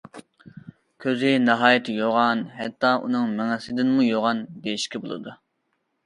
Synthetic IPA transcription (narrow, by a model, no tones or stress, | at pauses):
kʲʰøzɪnɑɦɑːjit̪ʰɪjoʁɑnhɛt̪ːɑʔṵnɨŋmɛŋɛsɪd̪ɪnmujoʁɑnd̪ejiʃkʲʰibolˠɨ̰d̪u